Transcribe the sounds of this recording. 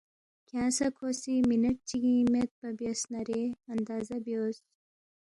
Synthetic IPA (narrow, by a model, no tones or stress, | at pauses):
kʲʰãːsɐkʰosiminɐʈ̚t͡ʃiɡimet̪̚bɐbjesnaɾeɐnd̪aːzɐbjoːs